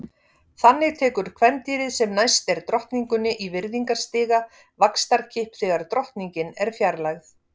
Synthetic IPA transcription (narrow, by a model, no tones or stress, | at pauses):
θanːɪɣt̪ʰɛːkʏɾ̥kʰvɛnt̪iːɾɪðsɛmnajst̪ɛɾ̥t̪ɾɔht̪niŋkʏnːɪʔivɪɾðiŋkaɾ̥st̪ɪːɣa | vakst̪aɾcʰɪhpθɛːɣaɾt̪ɾɔht̪niɲcɪnɛɾ̥fjaɾlaɣθ